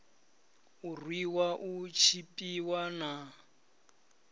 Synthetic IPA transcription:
urwiwaʔut͡ʃʰipʼiwana

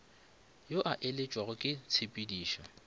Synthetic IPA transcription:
joʔaʔelet͡ʃʼwaɣʊkʼɪt͡sʰɪpʼidiːʃɔ

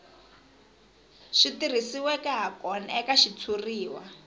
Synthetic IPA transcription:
ʃitir̤isiwɛkɛɦakɔnaɛkaʃit͡sʰuriːwa

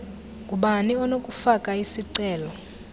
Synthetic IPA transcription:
kʼuɓaniɔnokʼufakʼaisiǀɛːlɔ

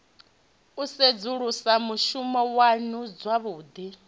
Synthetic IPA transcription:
used͡zuɺusamuʃumɔwanud͡zwaβuːd̪i

